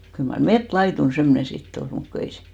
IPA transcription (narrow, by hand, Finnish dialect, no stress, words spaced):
kyl mɑr metlɑitun semːŏnen̞ sitː ol mut ku ei se